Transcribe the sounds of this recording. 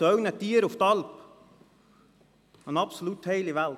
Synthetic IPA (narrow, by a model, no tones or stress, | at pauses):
ɔœʉnɛt̪ːiːɾʊft̪ɑlp | mɛnɑbsʊlʉt̪heɪlɪʋɛl